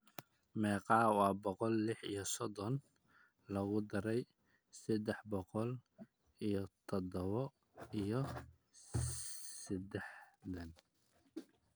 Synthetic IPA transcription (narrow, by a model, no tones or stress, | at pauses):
mɛːqɑːwɑːbɔqɔlːɪħḭjɔsɔd̪ɔn | lɐɣʊd̪ɐɾɛj | sɛd̪ɛħbɔqɔl | ijɔt̪ʰɔd̪ɔβɔ | ijɔ | sɛd̪ɛħd̪ɐn